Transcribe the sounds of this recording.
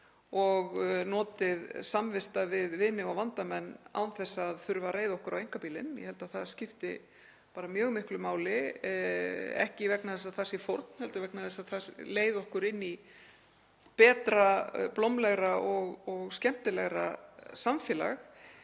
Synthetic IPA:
ɔɣnɔːt̪ɪðsamvɪst̪avɪðvɪnɪɣawvant̪amɛnːa̰wnθɛsːaðθʏɾvareːjðɔhkʏɾʔawejŋ̥kapiːlɪnjɛ̰hɛlt̪aðθaðscɪft̪ɪ̰ | paːɾamjœːɣmɪhklʏmaːwlɪ | ɛ̰hcɪvɛknaðɛs̬aðθasifowɾt̪n̥hɛlt̪avɛknaðɛsaðθasleːjðɔhkʏɾɪnːi | pɛːt̪ɾaplɔwmlɛɣɾaʔɔɣɔɣscɛm̥t̪ɪlɛɣɾa̰samfjɛːla̰x

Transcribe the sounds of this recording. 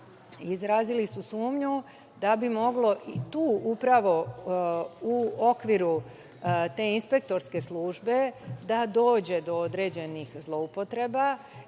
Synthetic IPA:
izɾaːzilisusuːmɲu | d̪abimo̞ɡlo̞ʔit̪uːʔupɾaʋo̞ | uo̞kʋiɾu | t̪e̞ːinspe̞k̚t̪o̞ɾske̞slˠuːʒbe̞d̪ad̪o̞ːd͡ʑe̞d̪o̞od̪ɾe̞ːd͡ʑe̞nixzlˠo̞upo̞t̪ɾe̞ba

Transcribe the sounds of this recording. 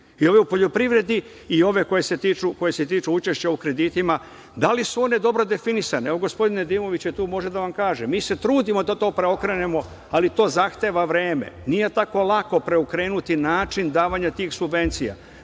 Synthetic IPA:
io̞ʋe̞upo̞ʎo̞pɾiʋɾe̞d̪i | io̞ʋe̞ko̞je̞set̪iːt͡ʃuko̞jese̞t̪iːt͡ʃuut͡ʃe̞ʃt͡ɕaukɾe̞d̪it̪ima | d̪alisuo̞ne̞d̪o̞bɾo̞d̪e̞finisaneeʋoɡo̞spo̞d̪ine̞d̪iːmo̞ʋit͡ɕjet̪uːmo̞ʒe̞d̪aʋamkaːʒe̞miːse̞t̪ɾuːd̪imo̞d̪at̪o̞ːpɾe̞o̞kɾe̞ne̞mo̞ | alit̪o̞ːzaxt̪e̞ʋaʋɾe̞ːmḛnije̞t̪ako̞lˠako̞pɾe̞ukɾe̞ːnut̪inaːt͡ʃind̪aːʋaɲat̪iːxsubʋe̞nt̪sija̰

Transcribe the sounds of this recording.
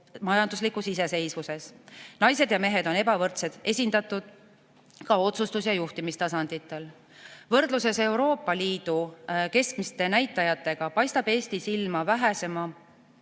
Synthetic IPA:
mɑjɑnd̪uslikusise̞se̞jsvuse̞snɑjse̞d̪̥jɑme̞ɦe̞d̪o̞ne̞bɑvɤrt̪se̞d̪̥e̞sʲind̪̥ɑt̪ːˑud̪̥̚ | kɑo̞t̪sust̪usjɑjuht̪imist̪ɑsɑnd̪̥it̪ˑːe̞l | vɤrd̪̥luse̞se̞wɾo̞ːpːˑɑliːd̪̥uke̞skmist̪e̞næjt̪ˑːɑjɑt̪ːˑe̞ɡ̥ɑpɑjst̪ɑb̥e̞ːst̪isilmɑvæɦese̞mɑ

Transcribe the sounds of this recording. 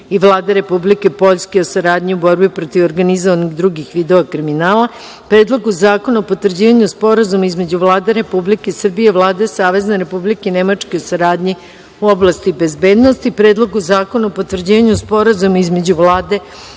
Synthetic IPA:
iʋlˠaːd̪eɾe̞publike̞po̞ʎskeosaɾaːd̪ɲiubo̞ɾbipɾo̞t̪iʋoɾɡanizoʋaniɡd̪ɾuɡixʋiːd̪o̞ʋakɾiminaːlˠa | pɾeːd̪lˠo̞ɡuzaːko̞naopot̪ʋr̩d͡ʑiːʋaɲuspo̞ɾazumaizme̞d͡ʑuʋlˠaːd̪eɾe̞publikesr̩bijeʋlˠaːd̪esaːʋe̞zneɾe̞publikeinemat͡ʂkeosaɾaːd̪ɲi | uoblˠast̪ibe̞zbe̞ːd̪nost̪ipɾe̞ːd̪lˠo̞ɡuzaːko̞naopot̪ʋvr̩d͡ʑiːʋaɲuspo̞ɾazumaizme̞d͡ʑuʋlaːd̪e̞

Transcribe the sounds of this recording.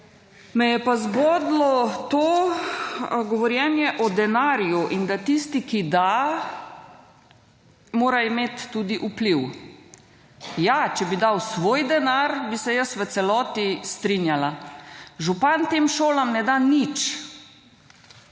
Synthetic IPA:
mɛjɛpazbɔd̪lɔt̪oː | ɡɔʋɔɾjɛnjɛʔɔd̪ɛnaːɾjuʔind̪at̪ist̪ikid̪a | moːɾaimeːt̪ːud̪iʔupliw | jat͡ʃɛbid̪awsʋoːjd̪ɛnaɾbisɛjəsʋət̪sɛlɔːt̪ist̪ɾinjala | ʒupant̪eːmʃoːlamnɛd̪anit͡ʃ

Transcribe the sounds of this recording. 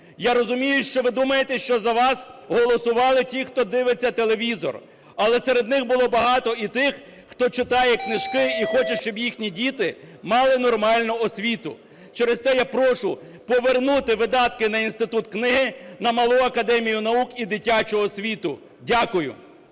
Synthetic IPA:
jaɾɔzʊmʲijʊʃt͡ʃɔʋɪd̪umɐjet̪ɛʃt͡ʃɔzɐʋɑsɦɔlˠɔsʊʋɑlˠɪtʲixt̪ɔd̪ɪʋet͡sʲːɐt̪elˠeʋʲizɔ̰r | ɐlˠɛseɾe̞d̪nɪxbʊlˠɔbɐɦɑt̪ɔit̪ɪx | xt̪ɔt͡ʃɪt̪ɑjɛknɪʒ̥kɪixɔt͡ʃɐʃt͡ʃɔbjixnʲidʲit̪ɪmɑlˠɪnɔrmɑlʲnʊɔsʲʋʲit̪ʊ̰ | t͡ʃɛɾest̪ɛjapɾɔʃʊ | pɔʋernut̪ɪʋɪd̪ɑt̪kɪnɐinst̪ɪt̪ut̪knɪɦɪnɐmɐlˠuɐkɐd̪ɛmʲijʊnɐukid̪ɪtʲːat͡ʃʊɦɔsʲʋʲit̪ʊ | dʲakʊjʊ̰

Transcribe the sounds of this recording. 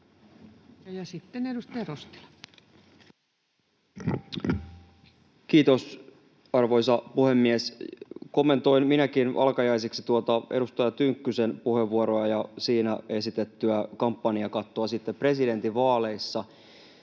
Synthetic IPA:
jɑsit̪ːenedust̪ɑjɑrost̪i̥lɑ | kiːt̪os | ɑrʋo̞jsɑpuhe̞mːiesko̞mːe̞nt̪o̞jnminækinʔɑ̰lkɑjɑiseksi̥t̪uot̪ɑʔe̞̰ɾust̪ɑjɑt̪yŋkːysenpuhe̞ʋːuoɾoɑjɑsiːnæe̞sit̪et̪ːyækɑmpːɑniɑkɑt̪ːoɑsit̪ːepre̞side̞nt̪iʋɑːle̞isːɑ

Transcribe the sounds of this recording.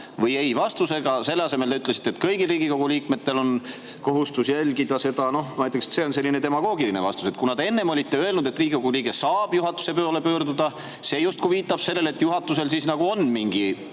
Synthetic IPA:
vɤje̞jvɑst̪use̞ɡ̥ɑse̞lːeɑse̞meld̪eyt̪ːˑlesi̥t̪ːet̪kɤjɡilriːɡ̥iko̞ɡ̥uliːkme̞t̪ːe̞lo̞n | ko̞ɦust̪usjælʲɡid̪̥ɑse̞d̪ɑno̞hmɑjt̪ːˑekse̥t̪se̞ːonse̞lʲːinet̪e̞mɑɡo̞ːɡilinevɑ̰st̪u̥se̞t̪̚kunɑd̪e̞nːe̞mo̞lʲit̪ːeøe̞lnud̪e̞t̪ːˑriːɡikoɡuliːɡe̞sɑːb̥juɦɑt̪ːˑu̥se̞pøːole̞pø̞ːrd̪ud̪ɑ | se̞ːjust̪kuviːt̪ːˑɑb̥se̞lːe̞le̞t̪ːˑjuɦɑt̪ːˑuse̞lsiːsnɑɡ̥uo̞nmiŋɡ̥i

